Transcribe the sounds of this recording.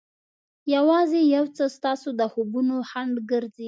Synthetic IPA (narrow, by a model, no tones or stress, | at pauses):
jawɑzejawt͡səst̪ɑsod̪əhobunohaɳɖɡəɾzi